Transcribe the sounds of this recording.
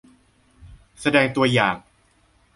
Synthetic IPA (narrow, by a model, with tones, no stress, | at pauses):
sa˧dɛː˧ŋt̪u˧ɐjaː˨˩ŋ